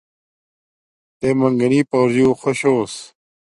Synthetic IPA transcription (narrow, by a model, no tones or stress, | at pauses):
t̪eːmɐŋɡɐniːpoːɾd͡ʑuːxoɕoːs